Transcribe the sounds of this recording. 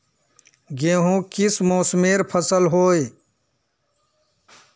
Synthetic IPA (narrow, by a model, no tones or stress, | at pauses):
ɡeːɦũkɪsmoːsmeːɾpʰəsəlɦoːe